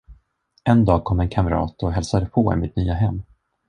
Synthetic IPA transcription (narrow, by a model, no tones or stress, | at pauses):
ʔɛnd̪ɑːɡ̚kʰɔmːɛnkʰamɾɑ̰ːt̪ɔɦɛlsad̪əpʰɔɪ̰mɪt̪̚nyːaɦɛmː